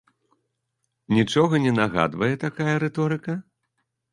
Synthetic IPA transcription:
nʲit͡ʂɔɣɐnʲɛnaɣa̰d̪vɐjɛt̪akajɐɾɛt̪ɔɾɨkɐ

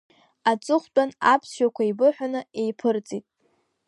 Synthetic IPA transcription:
at͡sʼɨχʷt͡pʼanapʰsʃakʷʰaibɨħʷᶣanɨe̞jpʰɨrt͡sʼitʼ

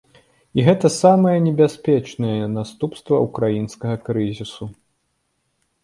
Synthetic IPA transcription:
iɣɛt̪ɐsamɐjɛnʲɛbʲasʲpʲɛt͡ʂnɐjɛnast̪upst̪vɐ̰ukɾajinskɐɣɐkɾɨzʲisu

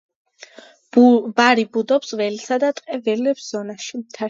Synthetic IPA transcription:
baɾibud̪ɔpsvɛlisad̪at̪ʼqʼɛvɛlɛpsz̥ɔnaʃimt̪ʰa

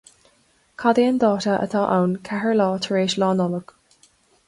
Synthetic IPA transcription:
kʰad̪iənd̪ɑːtəʔə̰t̪ʰaːʔa̰wnkʰahəɹlɑːt̪ʰəɹeːʃlɑːnɔləɡ̥

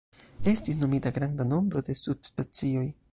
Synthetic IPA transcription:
e̞stisno̞mitaɡɾandano̞mbɾo̞de̞sudstat͡sio̞j

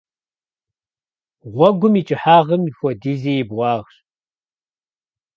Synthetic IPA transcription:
ʁʷɔɡʷʊmit͡ʃʼɨħaːʁɐmifʷɔdiːziːjɪbʁʷɑːʁɕ

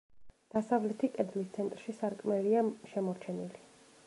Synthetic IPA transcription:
d̪̥asavlɛt̪ʰikʼɛd̪list̪sʰɛnt̪ʼɾʃisaɾkʼmɛliaʃɛmɔɾt͡ʃʰɛnili

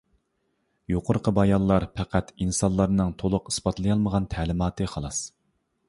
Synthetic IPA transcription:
joqʰʊɾqʰəbɑjɑlˠlːˠɑɾpʰæqʰæt̪insɑnlˠɑɾnɨŋt̪ʰolˠʊqi̥sbɑt̪lˠɨjɑlˠməʁɑnt̪ʰæːlɪmɑːt̪ɨχɑlˠɑs

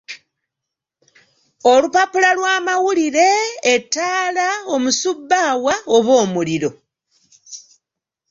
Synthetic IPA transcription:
o̞lupapulalwaːmawuliɾe̞ːtːaːlao̞musubːawao̞βo̞ːmuliɾo̞

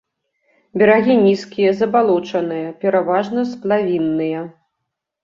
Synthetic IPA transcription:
bʲɛɾaɣʲinʲiskʲijɐzɐbalˠɔt͡ʂɐn̪ɨjɐpʲɛɾavaʐnɐsplˠavʲinːɨjɐ

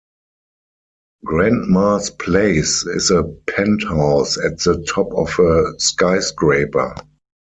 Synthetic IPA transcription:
ɡɹæ̃ndmaspʰleɪsɪ̰zəpʰɛ̃nthaʊsætðətʰɔpɔfəskaɪsɡɹeɪpə̰˞

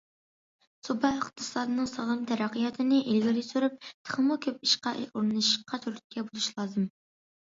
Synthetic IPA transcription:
sobɑχt̪ʰɨ̥sɑːd̪ɨnɨŋsɑʁəmt̪ʰɛɾɑqijɑt̪ʰɨnɪʔelɡʲilɪsyɾyp̚t̪ʰə̥χəmukʲʰøp̚iʃqɑʔuɾnɨnɨʃqʰːɑt̪ʰyɾt̪̚kʲɛbolˠuʃlˠɑːzɨm

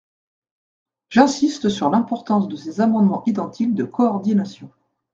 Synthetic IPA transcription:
ʒɛ̃sist̪əsyʁlɛ̃pɔʁt̪ɑ̃sd̪əsezamɑ̃d̪mɑ̃ʔid̪ɑ̃t̪ʰik̚d̪əkɔːʁd̪inasjɔ̃

